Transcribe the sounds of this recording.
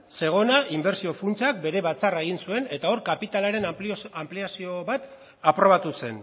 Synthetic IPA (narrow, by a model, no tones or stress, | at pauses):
se̞ɣ̞o̞naʔimbe̞ɾsio̞funt͡sak̚be̞ɾe̞βat͡sarae̞ɣinsue̞ne̞t̪ao̞ɾkapit̪alaɾe̞nampliasio̞βat̪ | apɾo̞βat̪use̞n